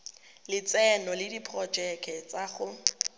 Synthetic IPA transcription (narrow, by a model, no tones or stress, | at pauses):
lɪt͡sɛnɔlɪdipʰrɔd͡ʒɛkʰɛt͡saχʊ